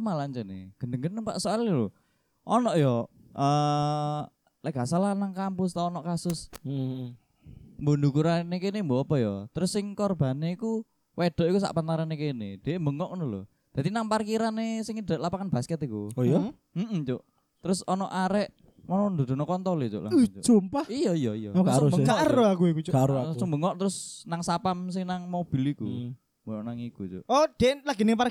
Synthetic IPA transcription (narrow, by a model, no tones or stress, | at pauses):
malaɲt͡ʃɛnḛɡ̥ənəŋɡənːəŋpa̰ʔsoalilo | ʔɔnɔʔjɔ | ʔə | laɡasalanaŋkampʊs̬t̪aɔnɔʔkasʊs | mbondukuɾanekenɪmboapɔjɔt̪əɾʊsːɪŋkɔrb̥a̤neiku | wed̥ɔ̤ʔikusa̰ʔpant̪aɾanekenɪd̪̥e̤mbəŋɔʔknulo̰ | d̪̥ad̪inaŋparkiɾanesɪŋid̥̪a̤ʔlapakanb̥askət̪ikuojɔ | m̩ʔm̩t͡ʃoʔ | t̪əɾʊsɔnɔʔaɾɛʔ | mɔnɔnd̪o̤d̪̥o̤nokɔnt̪ɔlit͡ʃo̰ʔla̰od͡ʒ̥ompaijɔijɔijɔ̰aɾɡaɾoakukut͡ʃɡaɾoasumbəŋɔʔt̪əɾʊsnaŋsapams̬ɪŋnaŋmob̥i̤liku | mboɔʔnaŋikut͡ʃo̰ʔod̪̥elaɡ̥inɪŋpa